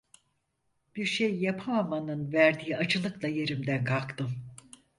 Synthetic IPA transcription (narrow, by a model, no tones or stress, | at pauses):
b̥iɾʃejːapʰamamanɯnvæɾd̪iːat͡ʃʰɯlˠɯklˠaje̞ɾimd̪ænkʰakt̪ʰɯm